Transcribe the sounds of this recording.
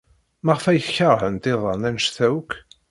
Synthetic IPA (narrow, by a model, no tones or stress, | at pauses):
maʁfæjçɑʁhənt̪iðˤɑnænʃθæwk